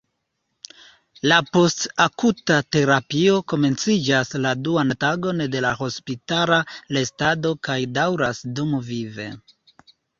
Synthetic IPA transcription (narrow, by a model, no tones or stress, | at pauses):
lapo̞stakutate̞ɾapio̞ko̞me̞nt͡sid͡ʒasladuantaɡo̞nde̞laho̞spitalale̞stado̞kajdawɾasdumvive̞̰